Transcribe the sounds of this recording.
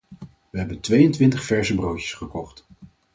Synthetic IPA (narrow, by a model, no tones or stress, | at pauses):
ʋəɦɛbəntʋejəntʋɪntəχfɛɹzəbrowə̥sχəkɔχt